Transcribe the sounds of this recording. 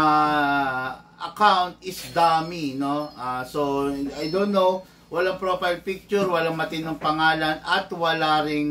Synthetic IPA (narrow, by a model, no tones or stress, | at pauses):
ʔɐkawnt̪̚ɪsd̪aminoasoajd̪onːow | wɐlaŋpɾofajlpɪk̚t͡ʃʊɾwɐlaŋmɐt̪ɪnoŋpɐŋaːlɐnɐt̪wɐlaːɾɪŋ